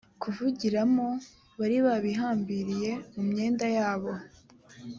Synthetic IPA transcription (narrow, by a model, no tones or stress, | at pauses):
kuvuɟiɾamo̞ | βaɾiβaβiɦaːmbiɾije̞mumɲe̞ːndajaːβo̞